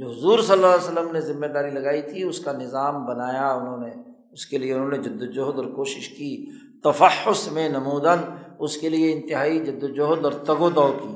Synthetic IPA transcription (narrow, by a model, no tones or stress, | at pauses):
d͡ʒoːɦʊzuːɾsɐlːaːsəlːəmnezɪmːed̪aːɾilɐɡaːit̪ʰiʊskanɪzaːmbɐnaːjaʊnɦõːne | ʊskelieʊnɦõːned͡ʒʊd̪ːod͡ʒʊɦd̪ɔːɾkoːʃɪʃkiː | t̪ɐfəħːʊsmẽnɐmuːd̪ənʊskelieɪ̃nt̪ɪɦaːid͡ʒʊd̪ːod͡ʒoɦd̪ɔːɾt̪ɐɡot̪ɔːkiː